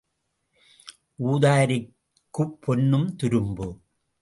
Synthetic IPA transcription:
ʔuːðaːɾɪ | kːɯpʰːɔnːɯmt̪ʊɾɯmbɯ

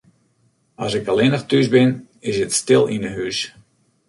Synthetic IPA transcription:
ɑsɪkɑlˠɪnəxtysbɪn | ɪsətstɪlˠinəɦys

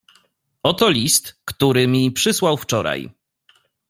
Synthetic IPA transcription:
ɔt̪ɔlʲist̪kt̪uɾɘmʲipʂɘswawft͡ʂɔɾa̰j

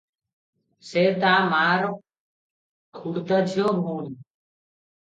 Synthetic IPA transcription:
seːt̪aːmaːɾ | kʰuɽt̪əd͡ʒʱjoːmuːn

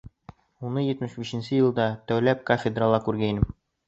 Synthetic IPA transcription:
unɤjɘ̆t̪mɘʃbiɕɘ̆nsɘjɤ̆lˠd̪ɑt̪æwlæp̚kofʲed̪ralˠɑkʉɾɡæinɘm

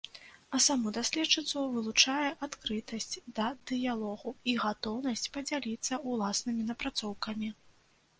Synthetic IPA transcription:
ɐsamud̪asʲlʲɛt͡ʂːɨt̪suvɨlˠut͡ʂajɛʔat̪kɾɨt̪ɐsʲt͡sʲd̪ɐd̪̥ɨjalˠɔɣuiɣat̪ɔwnɐsʲt͡sʲpɐd͡zʲalʲit̪sːɐulˠasnɨmʲinɐpɾat̪sɔwkɐmʲi

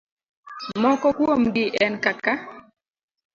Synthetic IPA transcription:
mɔkɔkwomɡɪʔɛnkaka

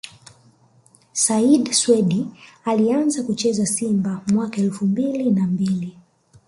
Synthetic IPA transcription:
saiɗswɛɗialianzakut͡ʃɛzasimbamwakaɛlfumbilinambili

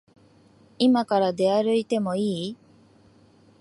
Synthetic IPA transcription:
imakaɾad̪e̞aɾɯ̟it̪e̞mo̞iː

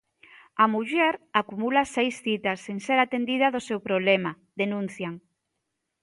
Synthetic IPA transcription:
amuʎɛɾakumulasejsθit̪asːeŋseɾat̪end̪iðaðosewpɾoβlema | d̪enũn̟θjaŋ

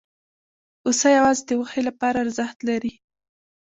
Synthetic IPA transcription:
osajawɑzed̪əwəxelapɑɾaːɾzaxt̪laɾi

